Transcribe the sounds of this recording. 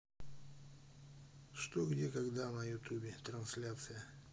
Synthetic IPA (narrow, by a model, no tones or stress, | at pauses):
ʂt̪oɡdʲekɐɡd̪anɐjʊt̪ʲubʲɪt̪ɾɐnslʲat̪sɨjə